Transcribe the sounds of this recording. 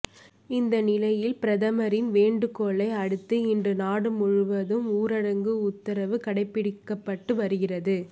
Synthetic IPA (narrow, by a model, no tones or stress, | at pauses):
ɪnd̪ɐnɪlɐjɪlpɪɾɐðɐmɐɾɪnʋeːɳɖɯkoːɭɐɪɐɻɯt̪ːɯɪndrɯnaːɽɯmʊɻʊʋɐðɯmuːɾɐɽɐŋɡɯʊt̪ːɐɾɐʋɯkɐɽɐɪpːɪɽɪkːɐpːɐʈːɯʋɐɾɯɣɪrɐðɯ